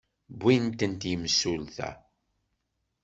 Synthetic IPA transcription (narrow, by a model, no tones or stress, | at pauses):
bːint̪ənt̪jəməsːulθæ̰